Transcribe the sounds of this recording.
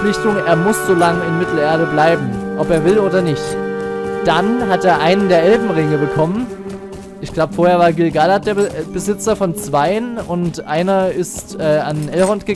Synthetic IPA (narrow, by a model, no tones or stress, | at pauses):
lɪçtʊŋʔeːɐmʊsz̥oːlaŋəɪnmɪtʰl̩eːɐdəblaɪbm̩ʔɔpeːɐvɪloːdɐnɪçt | d̥anɦateːɐʔaɪnəndeːɐʔɛlbm̩ʁɪŋəbəkʰɔmən | ʔɪçɡ̥laʊbəfoːɐheɐvaːɐɡɪlɡalat̚d̥eːɐəb̥əzɪt͡sɐfɔnt͡sv̥aɪənʊntʔaɪnɐɪstʔɛːanʔɛlʁɔntɡ̥ə